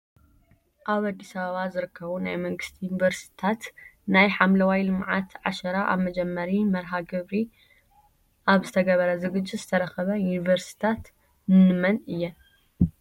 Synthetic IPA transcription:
ʔaβad̪ːisɐβɐβazɨɾɨkʰːɐβunajmɐŋɡɨst̪ʰijunivɐɾst̪ʰat̪najħamlɐwajlɨmʕat̪ʰʕaʃɐɾaʔa̰βmɐd͡ʒɛmːɐɾimɐɾɦaɡɨβɾi | ʔaβzɨt̪ʰɐɡɐβɐɾɐzɨɡɨd͡ʒːɪzɨt̪ʰɐɾɐxɐβɐjunivɐɾsi̥t̪ʰat̪ | nɨnɨmɐnɨjːɛ

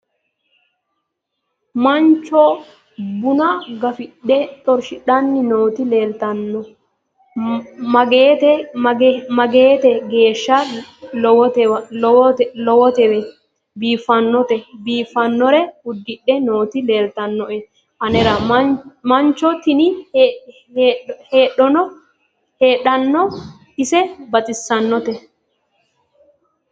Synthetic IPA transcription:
mɐnt͡ʃːɔ | bʊnɐɡɐfɪɗːɛt̪ʼɔɾʃɪᶑɐnːɪnoːt̪ɪle̞ːlt̪ɐnːɔ | mɐɡeːt̪ɛ | mɐɡe̞ːt̪ɛɡe̞ːʃːɐlɔwɔt̪ɛ | lɔwɔt̪ɛwɛ | biːfːɐnːɔt̪ɛbiːfːɐnːɔɾɛʊd̪ːɪɗːɛnoːt̪ɪleːlt̪ɐnːɔʔɛ | ʔɐnɛɾɐ | mɐnt͡ʃːɔt̪ɪnɪ | heːɗɔnɔ | heːᶑɐnːɔ | ɪsɛbɐt͡sʼɪsːɐnːɔt̪ɛ

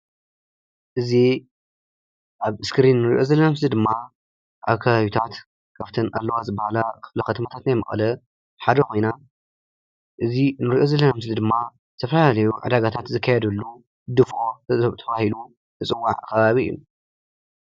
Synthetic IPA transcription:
ʔɨzi | ʔaβɨskɨɾinːɨɾḭʔo̞zɐlːɐnams̬lid̪ɨmːa | ʔaβkʰaβaβit̪ʰat̪ | kʰaft̪ʰɨna̰lːɐwazɨbːahalakʰɨflɐxɐt̪ʰɐmɐt̪ʰat̪najmɐ̰xʼɐ̰lɐ | ħad̪ɐko̞jna | ʔɨzinɨɾiʔo̞zɐlːɐnamɨslɨd̪ɨmːa | t̪ʰɐfɐlalalɐjuʕɨ̰d̪aɡat̪ʰat̪zɨkʰːajɛd̪ɐlːu | d̪ɨfo̞t̪ʰɐβahilu | ɨt͡sʼɨwːa̰ʕkʰɐβaβiɨ̰u

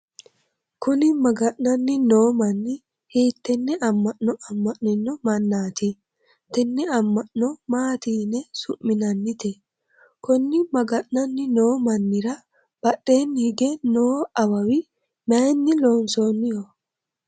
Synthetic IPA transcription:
kʊnɪmɐɡɐʔnɐnːɪno̞ːmɐnːɪ | heːt̪ːɛnːɛɐmːɐʔnɔɐmːɐʔnɪnːɔmɐnːaːt̪i | t̪ːɛnːɛɐmːɐʔnɔmaːt̪iːnɛsʊʔːɪnɐnːɪt̪ɛ | kɔnːɪmɐɡɐʔnɐnːɪno̞ːmɐnːɪɾɐ | b̥ɐɗːe̞ːnːhɪɡɛnoːɐwɐwɪ | mɐjnːɪlo̞ːnso̞ːnːɪjɔ

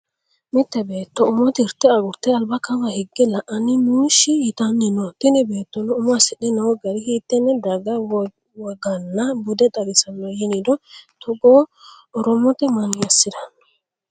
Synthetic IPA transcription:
mɪt̪ːɛbeːt̪ːɔʊmɔt̪ɪɾt̪ːɛɐɡʊɾt̪ːɛɐlbɐkɐmɐhɪɡːɛlɐʔɐnɪnuːʃɪjɪt̪ɐnːɪnɔt̪ɪnɪbe̞ːt̪ːɔnɔʊmɔasɪɗɪnɐwɔɡɐdɪhiːt̪ːɛnːɛd̪ɐɡɐw | wɔɡɐnːɐbʊd̪ɛd̪ʼɐɡɪsɐnːɔjɪnɪd̪ɔt̪ɔɡoː | ɔɾɔmːɔt̪ɛmɐnɪjɐsːɪd̪ɐn

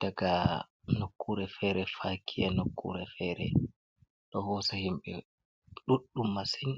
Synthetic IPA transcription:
d̥aɡanokːuɾɛfɛɾɛfakʰianokːṵɾɛfɛːɾɛ̰ | ɗɔhɔsahimɓɛ | ɗuɗːumːasɛn

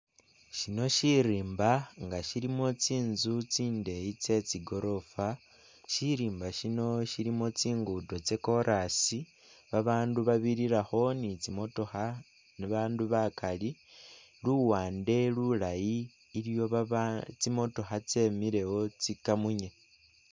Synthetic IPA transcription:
ʃino̞ʃiɾiːmbaŋɡaʃiɾimo̞t͡siːnzut͡siːnde̞jit͡se̞t͡siɡo̞ɾo̞fa | ʃiɾiːmbaʃino̞ʃiɾimo̞t͡siːŋɡudo̞t͡se̞ko̞ɾʔasi | βaβaːnduβaβiɾiɾaxo̞nit͡simoto̞xa | niβaːnduβakali | luwaːnde̞lulajiː | ljo̞t͡simo̞to̞xat͡se̞miɾe̞wo̞t͡sikamuɲe̞

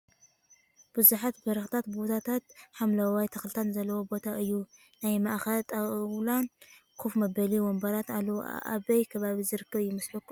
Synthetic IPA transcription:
b̥ɨzuħat̪bɐɾɐxt̪ʰat̪̚bbot̪ʰat̪ʰat̪̚ħamlɐwajt̪ʰɐxlt̪ʰanzɐlːɐwobo̞t̪ʰaʔɨjːu | najmɐʔxɐlt̪ʼawlankʰufmɐbɐliwɔmbɐɾat̪alːɐwo̰ʔa̰βɐjkʰɐβaβizɨɾɨkːɐβjɪmɐsħukː

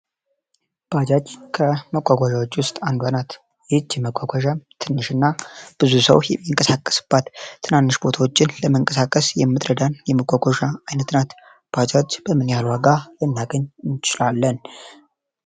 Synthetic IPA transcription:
b̥ad͡ʒat͡ʃːkʰəməkʷʼaɡʷaʒawot͡ʃːwʊst̪ʼand̪wanat̪ | jɛɨt͡ʃːjɛməkʷʼaɡʷaʒat̪ʰɨnːɨʃɨnːab̥ɨzusəwjɛmːiŋkʼəsakʼːə̥sɨ̥b̥ːat̪ːɨnanːɨʃbo̞t̪ʰawo̞t͡ʃːɪnləməŋkʼəsakʼːəsjɛmːɨt̪ʼɾəd̪anjɛməkʷʼːaɡʷaʒaajnət̪ɨnat̪ | b̥ad͡ʒat͡ʃːb̥əmɨnjalwaɡalɨnːaɡəɲɨnt͡ʃɪlalːən

